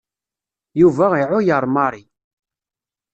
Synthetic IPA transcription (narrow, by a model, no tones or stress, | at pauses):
juvæiʕʊjəɾˤmɑɾˤi